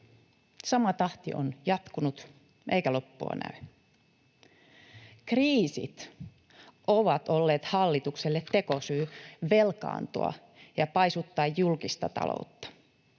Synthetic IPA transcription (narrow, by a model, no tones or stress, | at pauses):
sɑmɑt̪ɑht̪iʔo̰njɑt̪kunut̪ | ʔeikælo̞pːuɑ̰næ̰y | kriːsḭt̪ | ʔoʋɑt̪olːeːt̪hɑlːit̪ukselːet̪ːe̞kosyːʋelkɑ̰ːnt̪o̰ɑ̰ | jɑpɑjsut̪ːɑːjːulkist̪ɑ̰t̪ɑ̰lo̰ut̪ːɑ̥